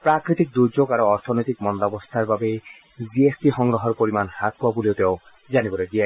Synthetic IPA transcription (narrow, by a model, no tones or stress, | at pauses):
pɾakɾit̪ik̚d̪uɾd͡ʒoɡaɾoɔɾt̪ʰɔnɔjt̪ikmɔnɔd̪abɔst̪ʰaɾbabe | biesʈiɦɔŋɾɔɦɔɾpoɾimanhat̪̚puabuliot̪eo | d͡ʒanibɔɾed̪ia